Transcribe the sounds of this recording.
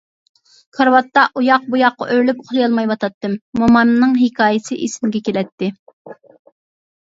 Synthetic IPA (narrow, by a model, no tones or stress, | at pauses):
kʰɑɾwɑt̪ːɑʔujɑq̚bujɑqːɑ̰ʔøɾlypoχlˠijɑlˠmɑjwɑt̪ʰɑt̪ːɨmːomɑmnɨŋɦɪkʰɑːjɪsɨʔesɪmɡʲɛkʲelɛt̪ʰːɪ